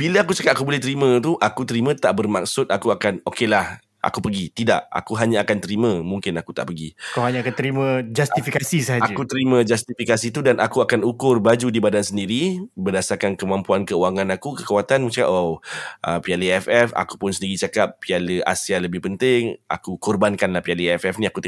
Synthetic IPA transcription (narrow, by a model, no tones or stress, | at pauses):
b̥iləakut͡ʃakap̚akubolɛht̪əɾimə̃t̪uʔakut̪əɾimə̃t̪aʔbərmak̚sʊt̪̚akuakanokelah | ʔa̰kupəɡit̪ida̰ʔa̰kuɦaɲãakant̪əɾimə̃mũŋkɪnakut̪a̰ʔpəɡikaɦaɲaːkant̪əɾimə̃d͡ʒast̪ifikasisəɦaad͡ʒakut̪əɾimə̃d͡ʒast̪ifikasit̪udanʔakuakanukʊrbad͡ʒudibadansəndiɾibərdasarkankəmãmpuankəuwaŋãnakukəkawat̪anmət͡ʃa̰ʔoʔəpialəɛfɛfa̰ku̥pʊnsədiɡit͡ʃakap̚ːialəa̰sialəbɪhpənt̪ɪŋa̰kukɔrbankanlahpialəɛfɛfnĩakut̪